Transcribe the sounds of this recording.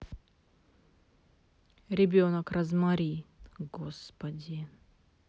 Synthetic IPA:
ɾʲɪbʲonəkrɐzmaɾʲiɡospɐdʲɪ

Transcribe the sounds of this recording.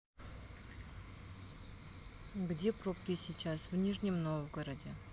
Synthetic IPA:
ɡdʲepɾopkʲɪsʲit͡ɕasvnʲiʐnʲɪmnovɡəɾədʲɪ

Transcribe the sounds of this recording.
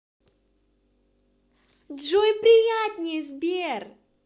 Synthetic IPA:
dʒojpɾʲɪjat̪ʲnʲizbʲer

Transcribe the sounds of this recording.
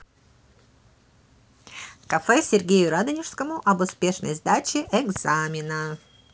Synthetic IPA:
kɐfɛsʲɪrɡʲejʊɾad̪ənʲɪʂskəmʊʔɐbʊspʲe̞ʂnə̰jzd̪at͡ɕɪʔɛɡzamʲɪnə

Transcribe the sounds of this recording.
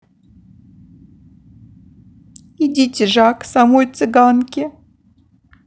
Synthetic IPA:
idʲitʲɪʐaksamojt̪sɨɡankʲɪ

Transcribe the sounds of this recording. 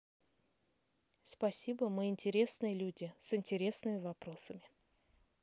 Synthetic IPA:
spɐsʲibəmɨɪnʲtʲɪɾʲe̞snɨjəlʲudʲɪsɪnʲtʲɪɾʲe̞snɨmʲɪvɐpɾo̞səmʲɪ

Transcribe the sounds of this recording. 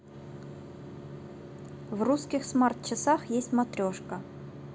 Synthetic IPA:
vruskʲɪxsmart̪t͡ɕɪsaxjesʲtʲmɐt̪ɾʲoʂkə

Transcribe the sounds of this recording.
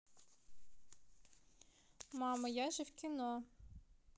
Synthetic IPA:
mɑmɐjaʒɛwkʲinɔ

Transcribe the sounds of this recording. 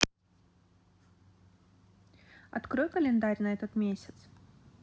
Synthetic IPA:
ɐ̰t̪kɾojkəlʲɪnd̪aɾʲnɐɛt̪ət̪mʲesʲɪt̪s

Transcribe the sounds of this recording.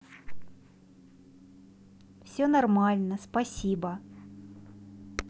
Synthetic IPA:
fsʲɵnɐrmalʲnəspɐsʲibə

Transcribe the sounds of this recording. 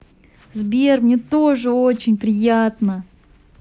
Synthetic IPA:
zbʲermnʲet̪oʐɨo̞t͡ɕɪnʲpɾʲɪjat̪nə

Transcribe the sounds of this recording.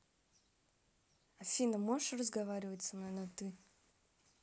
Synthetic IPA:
ɐfʲinəmoʂrəzɡɐvaɾʲɪvətʲsɐmnojnɐt̪ɨ

